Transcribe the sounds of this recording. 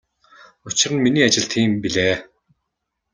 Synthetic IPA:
ʊt͡ɕɪ̆rə̆nminiːat͡ɕɪ̆ɬt̪ʰiːmpiɮeː

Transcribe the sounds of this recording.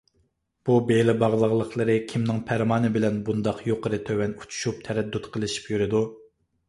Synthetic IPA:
b̥ubelɪbɑʁlˠəʁlˠəχlˠəɾɨkʲʰimnɪŋpʰæɾmɑːnɨbɪlɛnbund̪ɑqjoqʰəɾɨt̪ʰøwɛnu̥t͡ʃʰu̥ʃup̚t̪ʰɛɾɛd̪ːut̪qʰəlˠɪʃi̥pjyɾɪd̪u

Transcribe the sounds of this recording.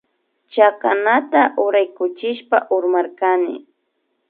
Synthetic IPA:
t͡ʃakanat̪aʔʊɾajkʊt͡ʃɪʃpa̰ʔʊɾmaɾkanɪ̰

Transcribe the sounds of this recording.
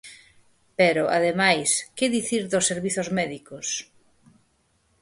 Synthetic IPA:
pɛɾoʔa̰ðemajskɪðiθiɾðosːeɾβiθozmɛðikos

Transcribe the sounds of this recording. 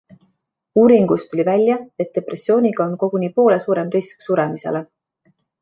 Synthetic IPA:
uːɾiŋɡ̥ust̪ulʲivælʲjɑe̞t̪̚d̪̥e̞pre̞sʲːjo̞ːnʲiɡ̥ɑo̞nko̞ɡ̥uniːpo̞ːle̞suːɾe̞mrisksuɾemise̞̰le

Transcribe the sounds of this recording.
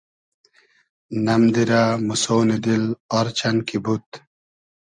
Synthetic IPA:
nɐmd̪iɾamusoːnid̪ilɔɾt͡ɕɐnkibut̪

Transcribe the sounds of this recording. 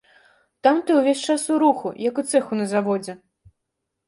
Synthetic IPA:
t̪amt̪ɨuwvʲesʲt͡ʂasuɾuxṵjɐkut̪sɛxunɐzavɔd͡zʲɛ

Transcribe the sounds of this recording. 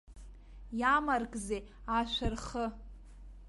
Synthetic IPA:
jamarkʼze | aʃʷarχə

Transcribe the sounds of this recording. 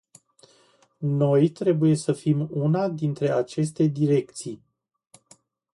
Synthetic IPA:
no̞jt̪ɾe̞buje̞səfimunad̪int̪ɾe̞at͡ʃe̞s̬t̪e̞d̪iɾe̞kt̪sij

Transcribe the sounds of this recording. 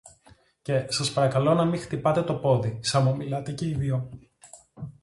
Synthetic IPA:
ce̞sɐspɐɾɐkɐlo̞nɐmixt̪ipɐt̪e̞t̪o̞po̞ðisɐmomilɐt̪e̞ce̞iðjo

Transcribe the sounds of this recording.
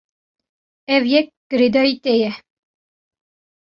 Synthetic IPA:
ɛvjɛk̚ɡ̥əɾed̪ɑit̪ejɛ

